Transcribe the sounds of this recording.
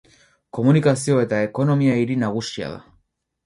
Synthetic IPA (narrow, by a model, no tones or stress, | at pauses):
ko̞munikasio̞e̞t̪ae̞ko̞no̞miaiɾinaɣ̞usia̰ða̰